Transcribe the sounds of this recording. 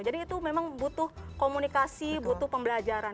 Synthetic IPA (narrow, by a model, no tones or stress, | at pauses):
d͡ʒadiːt̪umemaŋbut̪ʊhkomunikasibut̪ʊhpəmbəlad͡ʒaɾa